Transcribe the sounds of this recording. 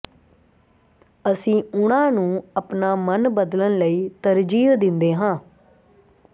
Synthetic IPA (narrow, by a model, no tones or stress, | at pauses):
əsĩːʊɽãːnũːəpnaːmənbəd̪lənləiːt̪əɾd͡ʒiːɦd̪ɪnd̪eːɦãː